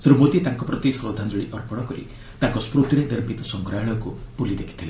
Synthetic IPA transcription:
sɾumot̪it̪aŋkɔpɾɔt̪isɾɔd̪ʱand͡ʒoɭiʔɔɾpɔɽ̃ɔkɔɾḭ | t̪aŋkɔspɾut̪ɾeneɾmit̪ɔsɔŋkɾajɭɔkupulid̪ekʰi̥t̪ʰile

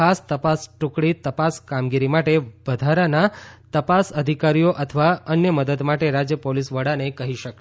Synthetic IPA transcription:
ast̪əpasʈukɽit̪əpaskamɡiɾimaʈeʋəd̪ʱaɾanat̪əpasəd̪ʱikaɾijoʔət̪ʰəʋaənjəməd̪əd̪maʈeɾad͡ʒjəpolisʋəɽanekəɦiʃək

